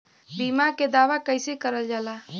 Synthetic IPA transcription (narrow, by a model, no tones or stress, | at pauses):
bimaked̪aːʋakəjsikəɾəld͡ʒala